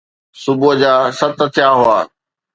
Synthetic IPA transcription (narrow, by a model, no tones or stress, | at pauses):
sʊbʊɦd͡ʑaːsət̪ət̪ʰɪjaːɦʊaː